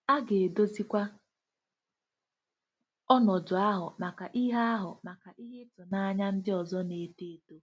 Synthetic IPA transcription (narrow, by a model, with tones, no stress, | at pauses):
a˦ɡe˨e˨do˦zi˦kʷa˦ | ɔ˦nɔ˨d͡ʒʊ˨a˦ɦʊ˨ma˨ka˨ʔi˦ɦa˦a˦ɦʊ˨ma˨ka˨ʔi˦ɦe˦tʊ˨na˨a˦ɲa˦n̩˦dɪ˦ɔ˨zɔ˦ne˨te˦˨to˦